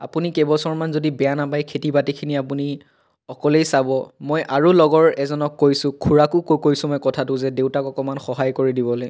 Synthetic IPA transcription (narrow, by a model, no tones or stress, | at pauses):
a̰punikɛbɔsɔɹmanzodibɛjanapajkʰetibatikʰiniapuni | ɔkɔlejsabɔmojʔaɹulɔɡɔɹɛzɔnɔkːojsʊ̃kʰuɹakʊkokojsʊ̃mɔjkɔtʰatʊzɛdeʊtakɔkɔmanxɔɦajkoɹidibɔlo